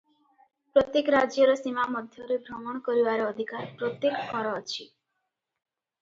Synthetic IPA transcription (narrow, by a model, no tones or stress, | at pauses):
pɾɔt̪jekɾad͡ʒjɔɾɔsimamɔd̪ʱjɔɾebʱɾɔmɔɽ̃kɔɾibaɾɔːd̪ʱikaɾpɾɔt̪jekkɔɾɔːt͡ʃʰi